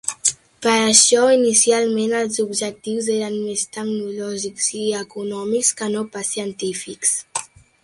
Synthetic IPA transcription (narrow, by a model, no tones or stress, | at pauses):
pəɾəʃɔinisialˠmenəlˠzubʒək̚t̪iwzeɾənmest̪əɡnulɔʒikz̥iəkunɔmikskənopəsiənt̪ifiks